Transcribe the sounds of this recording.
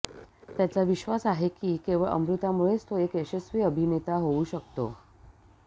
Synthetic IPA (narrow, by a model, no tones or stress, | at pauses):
t̪jat͡saʋiɕʋasaɦekiːkeʋəɭʔə̰mɾut̪amuɭet͡st̪oekeɕəsʋiːəbʱinet̪aɦouɕək̚t̪o̰